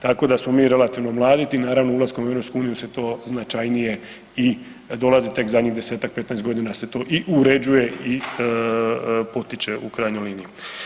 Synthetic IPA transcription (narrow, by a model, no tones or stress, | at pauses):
t̪ako̞d̪asmo̞miːɾe̞lat̪iʋnomlˠaːd̪it̪inaːɾaʋnoulˠaskomue̞vɾopskuuːnijuse̞t̪o̞ːznat͡ʃajnije̞ | i | d̪o̞lˠazit̪e̞kzad̪ɲiɣd̪eseːt̪ak̚pe̞t̪naest̪ɡo̞d̪inaset̪o̞ːʔiʔuɾe̞d͡ʒuje̞i | po̞t̪it͡ʃeukɾajɲojliːniju